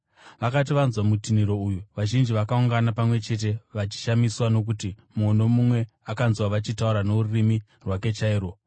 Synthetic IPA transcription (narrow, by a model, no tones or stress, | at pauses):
ʋakat̬iʋanzwamutiniɾo̞ujuʋaʒind͡ʒiʋakauŋɡanapamwe̞t͡ʃe̞t̬e̞ʋat͡ʃi̥ʃamiswano̞k̬uti | mono̞mumwe̞ | akanzwaʋat͡ʃitauɾano̞ruurimi | rwake̞t͡ʃaiːro̞